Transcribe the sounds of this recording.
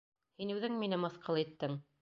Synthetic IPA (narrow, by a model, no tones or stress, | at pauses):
hinʉðɘŋminɘmɑ̆θqɑlˠit̪ːɘŋ